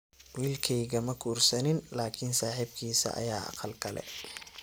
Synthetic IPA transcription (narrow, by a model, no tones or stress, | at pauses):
wiːlkʰɛjɣɐmɐkʰuːrsɐnɪnlaːkʰɪnsaːħibkʰiːsɐ̰ʔɐ̰jaːʔɑ̰qɑlkʰɐlɛ̰